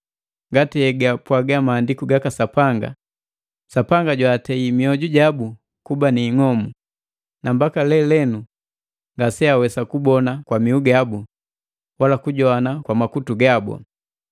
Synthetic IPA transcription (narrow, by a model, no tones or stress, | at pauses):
ŋɡatiɛɡapwaɡamaːndikuɡakasapaŋɡa̰ | sapaŋɡaɟwaːtɛimiɔɟuɟabu | kubaniːŋɔmu | nambakalɛlɛnu | ŋɡasɛawɛsakubɔnakwamiuɡabu | walakuɟɔanakwamakutuɡabɔ̰